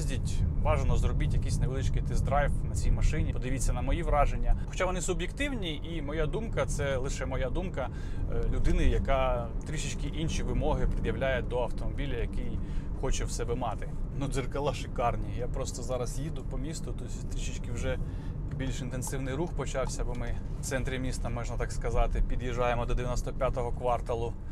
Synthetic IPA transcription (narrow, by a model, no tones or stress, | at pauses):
zʲdʲitʲʋɑʒenɔzrɔbɪtʲjɐkʲisʲneʋɪlˠɪt͡ʃkɪt̪ɪzd̪ɾɑjwnɐt͡sʲijmɐʃɪnʲipɔd̪ɪʋʲit͡sʲːɐnɐmɔjiʋɾɑʒenʲːɐxɔ̥t͡ʃaʋɔnɪsʊbʲjekt̪ɪwnʲiʔimɔjad̪umkɐt̪sɛlˠɪʃɛmɔjad̪umkɐ | lʲʊd̪ɪnɪjɐkɑt̪ɾʲiʃɪt͡ʃkɪʔinʃiʋɪmɔɦɪpɾɪd̪jɐwlʲajɛd̪ɔɐwt̪ɔmɔbʲilʲɐjɐkɪjxɔt͡ʃɛwsɛbɛmɑt̪ɪnud̪zɪrkɐlˠɑʃɪkɑrnʲijapɾɔst̪ɔzɑɾɐsjid̪ʊpɔmʲist̪ʊt̪ɔsʲt̪ɾʲiʃit͡ʃkɪwʒɛ | bʲilʲʃɪnt̪ensɪwnɪjɾuxpɔt͡ʃɑwsʲɐbɔmɪft̪sɛnt̪ɾʲɪmʲist̪ɐmɔʒnɐt̪ɑkskɐzɑt̪ɪpʲid̪jiʒɑjemɔd̪ɔd̪eʋjɐnɔst̪ɔpʲjat̪ɔɦɔkʋɑrt̪ɐlˠʊ